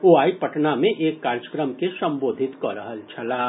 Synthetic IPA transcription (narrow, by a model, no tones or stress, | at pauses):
oːaːipɐʈnamẽʔeːkːaːɾd͡ʒəkɾəmkesɐ̃mboːd̪ʱɪt̪kɔɾəɦəlt͡ʃʰɐlaː